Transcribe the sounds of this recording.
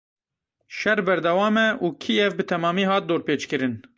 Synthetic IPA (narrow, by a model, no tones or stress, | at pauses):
ʃɛrbɛɾd̪ɛwɑːmɛuːkʰiːɛvbɨt̪ʰɛmɑːmiːɦɑːt̪̚d̪oːɾpeːt͡ʃkɨɾɨn